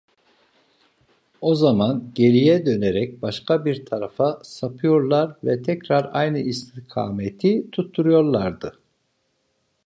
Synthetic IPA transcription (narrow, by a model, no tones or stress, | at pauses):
o̞zamanɟe̞ɾijɛd̪ø̞neɾɛc̚baʃkʰabiɾt̪ʰaɾafasapʰɯjo̞ɾlˠaɾvɛt̪ʰɛcɾaɾajnɯist̪ʰikʰa̰ːmet̪ʰit̪ʰut̪ʰːuɾujo̞ɾlˠaɾd̪ɯ